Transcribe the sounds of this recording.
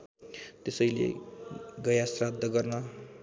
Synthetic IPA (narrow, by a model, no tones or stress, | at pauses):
t̪esʌjlḛ | ɡʌjasrad̪ʱːʌɡʌrnʌ